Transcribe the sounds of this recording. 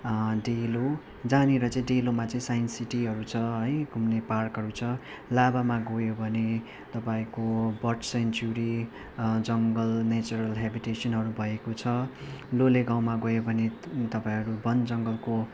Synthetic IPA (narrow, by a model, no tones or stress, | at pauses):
ɖelo | d͡zaneɾʌt͡sʌ̃ĩɖelomat͡saĩsajnsiʈiɦʌɾut͡sʰʌɦʌjɡʱumneparkɦʌɾut͡sʰʌ | labamaɡojobʱʌne | t̪ʌpaĩkobʌʈsent͡ʃuɾi | d͡zʌŋɡʌlnet͡sʌɾʌlɦebiʈesʌnɦʌɾubʱʌekot͡sʰʌloleɡãw̃maɡʌjobʱʌnet̪ʌpãĩɦʌɾubʌnd͡zʌŋɡʌlko